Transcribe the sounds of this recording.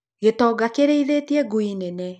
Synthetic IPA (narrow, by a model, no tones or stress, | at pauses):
ɣetɔːɡakeɾeiðetiɛɡuinɛnɛ